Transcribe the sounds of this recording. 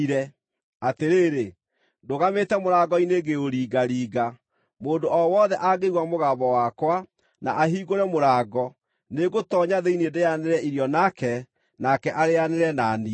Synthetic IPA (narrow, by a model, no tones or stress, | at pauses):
ɾɛ | ateɾeːɾe | doɣametɛmoɾaɡɔineɡeoɾiːɡaɾiːɡa | moːndoɔwɔðɛʔaɡeɣwamoɣaβɔwaːkwa | na̰ʔaɦiɣoɾɛmoɾaːɡɔ | neɣotɔɲaðeinedejaneɾɛiɾjɔnakɛ | nakɛʔaɾeaneɾɛnani